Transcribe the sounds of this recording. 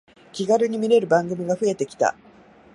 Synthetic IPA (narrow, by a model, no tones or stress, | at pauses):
kʲiɡaɾɯ̟ɲ̟imʲiɾe̞ɾɯ̟bãŋɡɯ̟mʲiɡaɸɯ̟e̞t̪e̞kʲi̥t̪a̰